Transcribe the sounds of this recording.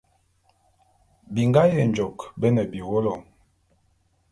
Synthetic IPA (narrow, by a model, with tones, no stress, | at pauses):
bi˨ŋɡa˦jə˨n˨d͡ʒɔ˨kbə˦nə˨bi˨wo˦lɔ˨